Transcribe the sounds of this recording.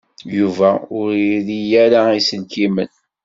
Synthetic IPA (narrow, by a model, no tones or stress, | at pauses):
juvæʊɾɾijæɾaisənkimə̰n